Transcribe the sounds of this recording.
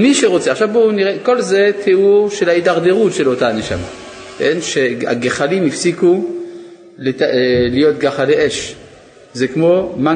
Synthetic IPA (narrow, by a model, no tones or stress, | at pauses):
miʃeʁo̞t͡seaχʃavbouniʁeko̞lze̞tʰeuʁʃe̞lhaidaʁdeʁutʃe̞lo̞taːne̞ʃa̰ma̰ | kenʃea̰ɡeχalimifsiku | lelijo̞t̪̚ɡaχaleʔeʃ | zekmo̞ma